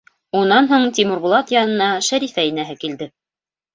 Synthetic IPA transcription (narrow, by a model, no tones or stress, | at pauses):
unːɑnɦuɴt̪ʲimɘ̆ɾbŭlˠɑt̪jɑnɤ̆nɑʃæɾifæinæɦɘkild̪ɘ